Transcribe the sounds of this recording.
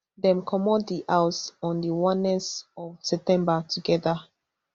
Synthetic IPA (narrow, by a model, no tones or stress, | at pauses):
dɛ̃mkʰɔmɔt̚diʔawsɔ̃ndiwãnːɛsɔvsɛp̚tɛ̃mbatʰuɡɛða